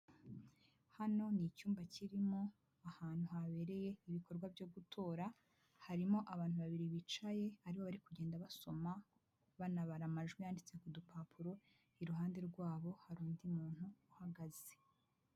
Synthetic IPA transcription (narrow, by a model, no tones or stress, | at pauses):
hano̞nicuːmbaciɾimo̞ | ahaːn̥huhaβe̞ɾe̞je̞iβiko̞ɾɡwavjo̞ɡutʰo̞ːɾa | haɾimo̞ʔaβaːn̥uβaβiɾiβit͡ʃaje̞aɾiβo̞βaɾikuɟe̞ːndaβaso̞ma | βanaβaɾamaʒɡwijaːndit͡se̞kudupʰaːpʰuɾo | iɾuɦaːnde̞ɾɡwaːβo̞haɾuːndimuːn̥uːhaɡaz̥e̥